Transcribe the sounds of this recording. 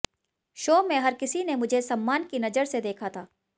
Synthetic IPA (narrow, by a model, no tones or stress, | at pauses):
ʃoːmẽɦɐɾkɪsinemʊd͡ʒʱesɐmːaːnkinɐzəɾsed̪eːkʰat̪ʰaː